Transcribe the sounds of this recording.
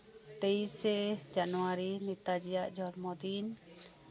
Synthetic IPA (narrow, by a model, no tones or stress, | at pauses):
t̪eisɛd͡ʒanuwaɾinit̪ad͡ʒijaʔd͡ʒɔɾmɔd̪in